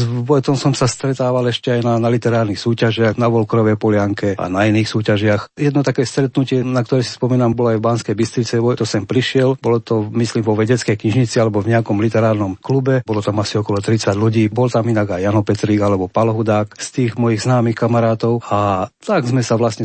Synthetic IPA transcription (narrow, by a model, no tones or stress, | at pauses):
zʋɔjt̪ɔmsɔmsast̪ɾɛt̪aːʋalɛʃcɛajnanalit̪ɛɾaːɾnixsuːcaʒɪaɣnaʋɔlkɾɔʋɛjpɔlɪaŋkɛa̰nainiːxsuːcaʒɪaxjɛd̪nɔt̪akɛːst̪ɾɛt̪nucɪɛnak̚t̪ɔɾɛsi̥spɔmiːnambɔlɔajvbanskɛjbist̪ɾit͡sɛʋɔjt̪ɔsɛmpɾiʃɪɛlbɔlɔt̪ɔmisliːmvɔʋɛɟɛt͡skɛjkɲiʒɲit͡sialɛbɔvɲɛakɔmlit̪ɛɾaːɾnɔmklubɛbɔlɔt̪amasiɔkɔlɔt̪ɾit͡saɟluɟiːbɔlt̪aminaɡajːanɔpɛt̪ɾiːɡalɛbɔpalɔɦud̪aːkst̪iːɣmɔjiɣznaːmixkamaɾaːt̪ɔʊat̪aɡzmɛsaʋlasɲɛ